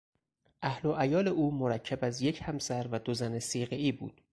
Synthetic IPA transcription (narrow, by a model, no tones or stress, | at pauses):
ʔæhlo̞ʔæjɒːle̞ʔuːmoɾæcʰːæbæzjecʰhæmsæɾvæd̪ozæne̞siːɣeiːbṵːd̪̥